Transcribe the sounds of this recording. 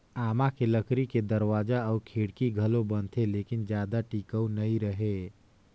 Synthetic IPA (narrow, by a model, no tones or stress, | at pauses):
aːmãkeləkɾiked̪ɐɾwaːd͡ʒaɔːɾkʰeːɽkiɡʱɐlõbɐnt̪ʰeleːkɪnd͡ʒjaːd̪aʈiːkəwnɐĩɾəɦe